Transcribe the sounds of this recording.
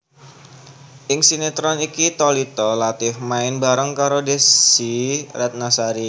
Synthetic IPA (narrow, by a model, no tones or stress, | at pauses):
ʔɪŋsinet̪ɾɔnikit̪olit̪ɔlat̪ɪfmaɪnbaɾəŋkaɾodesiɾɛt̪̚nasaɾi